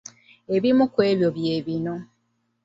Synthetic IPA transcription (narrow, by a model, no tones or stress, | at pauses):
e̞βimukwe̞ːβjo̞βje̞ːβino̞